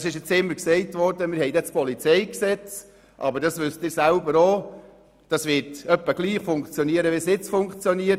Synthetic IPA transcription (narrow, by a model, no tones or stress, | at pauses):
ɑsɪʃɪt͡sɪmːəɾksɛɪtʋɔrdəmɪɾhɛɪdɛt͡spɔlit͡sɛɪksɛt͡s | ʔɑ̰bəɾdɑsʋʏstdɪːɾsælbəɾoː | d̥ɑsʋɪɾtœpːəɡ̥liːχfʊŋkt͡sjɔniəɾəʋesɪt͡sfʊŋkt͡sjɔniə